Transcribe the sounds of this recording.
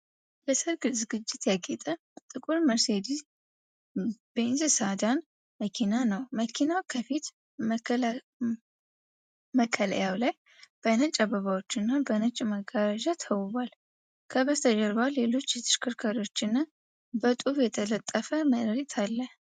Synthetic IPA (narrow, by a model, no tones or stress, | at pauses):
bəsəɾɡɨzɨɡɨt͡ʃːɪt̪jaɡʼet̪ʼə | t̪ʼɨkʼuɾməɾsed̪i | b̥enzɨsad̪an | məkʰinanəwməkʰinawkʰəfit̪ | məkʰːələ̰jawlaj | b̥ənɨt͡ʃʼːaβəβawo̞t͡ʃːɪnːabənət͡ʃʼməɡaɾəʒat̪ʰəwɨβal | kʰəβəst̪ʰəd͡ʒəɾbalːelo̞t͡ʃːjɛt̪ʰɨ̥ʃkʰɨɾkʰəɾo̞t͡ʃːɪnːa | bət̪ʼufjɛt̪ʰələt̪ʼːəfəməɾit̪ʰalːə